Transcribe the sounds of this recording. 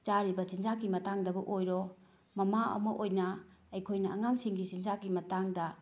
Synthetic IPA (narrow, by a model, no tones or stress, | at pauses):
t͡ʃaɾibɐsind͡ʒakimɐtaŋdɐbɐʔojɾɔ | mɐmaɐ̰mɐʔojnɐɐjkʰojnɐɐŋaŋsiŋɡisinzakimɐtaŋdɐ